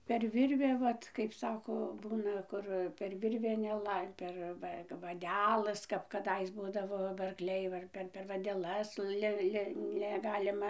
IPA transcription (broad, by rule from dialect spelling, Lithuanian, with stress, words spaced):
pʲɛr ˈʋʲɪrʲʋʲæː ˈʋɐt kɐɪp ˈsɑːkoː ˈbuːnɐ ˈkʊr pʲɛr ˈʋʲɪrʲʋʲæː nʲɛˈlˠɐɪ pʲɛr ˈʋɐ kɐp ʋɐˈdʲæːlˠɘs kɐp kɐˈdɐɪs ˈbuːdɐʋoː bɐ ɐrkˈlʲɛɪ ˈʋɐ ɪr pʲɛr pʲɛr ʋɐdʲɛˈlˠɐs ˈlʲɪ ˈlʲɪ nʲɛˈɡɑːlʲɪmɐ